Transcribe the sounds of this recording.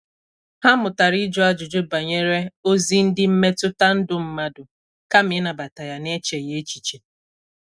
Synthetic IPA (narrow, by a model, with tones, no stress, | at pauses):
ha˦mʊ˨ta˨ɾi˦d͡ʒɔ˦a˦d͡ʒʊ˨d͡ʒo˦ba˨ɲe˦ɾe˦o˦zi˦n̩˦dɪ˦m̩˦me˦tʊ˦ta˦n̩˦dʊ˦m̩˦ma˦dʊ˨ | ka˦m̩˨ɪ˦na˨ba˨ta˨ja˨ne˦t͡ʃe˨je˦t͡ʃi̥˨t͡ʃe˨